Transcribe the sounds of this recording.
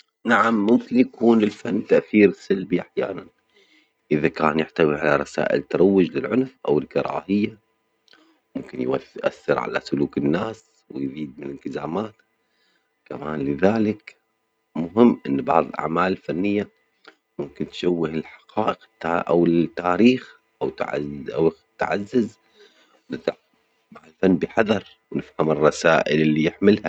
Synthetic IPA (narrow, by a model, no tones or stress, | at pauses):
naʕamːʊmkɪnjakuːnɪlfanːt̪aʔθiːɾsalbiʔaħja̰ːnan | ʔɪðakaːnjaħt̪awiʕalaɾˤɑsa̰ːʔɪ̰lt̪ːɑɾˤɑwːɪd͡ʒlɪlʕʊnfʔa̰wɪlkɑɾˤɑ̰ːhɪjːa | mʊmkɪnjwaθʔa̰θːɪɾʕa̰la̰sʊluːkɪnːaːs | wɪjziːd̪̚mɪnɪlt̪ɪzaːmaːt̪ | kamaːnlɪðaːlɪk | mʊɦɪmːʔɪnːbɑʕðˤɨlʔa̰ʕmaːlɪlfanːɪjːa | mʊmkɪnt̪ʃawːɪhɪlħɑ̥qɑːʔɪqt̪ːaʔa̰wɪt̪ːaːɾiːx | ʔawt̪ʕaw | t̪ʕazːɪz | wnɪt̪ | baʕðˤlfanːbɪħɑðɑɾˤ | wnɪfhamɪrˤːɑsaːʔɪlɪlːijɪħmɪlha